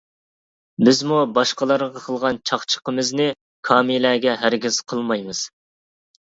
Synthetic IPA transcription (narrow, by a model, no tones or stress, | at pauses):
bɪzmubɑʃqəlˠɑɾʁɑqʰəlˠʁɑnt͡ʃʰɑχt͡ʃʰə̥qəmɨznɨ | kʰɑːmilæːɡʲɛɦæɾɡʲiz̥qʰəlˠmɑjmɨz̥